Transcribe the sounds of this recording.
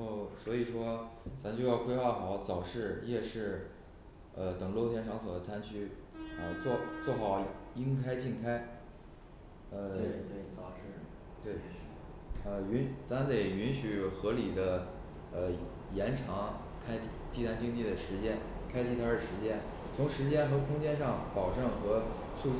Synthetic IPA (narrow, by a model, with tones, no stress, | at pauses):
o˥˩ʊswɔ˧˥i˨˩ʂwɔ˥t͡sa˧˥mt͡ɕjo˥˧ʊjɑ˥˧ʊkʰwe˥ɪxɑ˥˩ʊxɑ˨˩˦ʊt͡sɑ˨˩ʊʂɻ̩˥˧jɛ˥˧ʂɻ̩˥˩ | ə˧t̪ɤ˨˩ŋlo˥˧ʊt̪ʰjɛ˥nʈ͡ʂʰɑ˧˥ŋt͡sʰo˨˩d̪ə˥t̪ʰa˥nt͡ɕʰy˥˧ɑ˨˥˧t͡swɔ˥˧˩t͡swɔ˥˩xɑ˨˩˦ʊi˥nkʰa˥ɪt͡ɕi˥˩nkʰa˥ɪ | ə˥˧˨ | t̪we˥˩ɪ | ə˧˩y˧˥nt͡sʰa˥nt̪e˥˩ɪy˧˥nɕy˨˩xɤ˧˥li˨˩d̪ə˦ | ə˧ | jɛ˧˥nʈ͡ʂʰɑ˧˥ŋ | kʰa˥ɪt̪t̪i˥˩a˥nt͡ɕi˥ŋt͡ɕi˥˩d̪ə˩ʂɻ̩˧˥t͡ɕjɛ˥nkʰa˥ɪt̪ʰi˥˩t̪ʰa˥˩ə˩ʂɻ̩˧˥t͡ɕjɛ˥n | t͡sʰʊ˧˥ŋʂɻ̩˧˥t͡ɕjɛ˥nxɤ˧˥kʰʊ˥ŋt͡ɕjɛ˥nʂɑ˥˩ŋpɑ˨˩ʊʈ͡ʂɤ˥˩ŋxɤ˧˥ | su˥˧